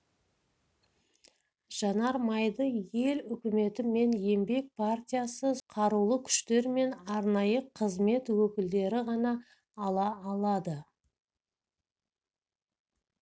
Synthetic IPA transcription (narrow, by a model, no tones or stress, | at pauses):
ʒ̥ɑnɑɾmɑjd̪əje̞lʏkʲɪme̞t̪ɪme̞nje̞mbe̞k̚pʰart̪ʲijasəqʰɑɾulˠəkʲʰʏ̥ʃt̪e̞ɾme̞nɑɾnɑjəqʰəzme̞t̪wɵkʲɪld̪e̞ɾɪʁɑnɑː | lˠɑːlˠɑd̪ə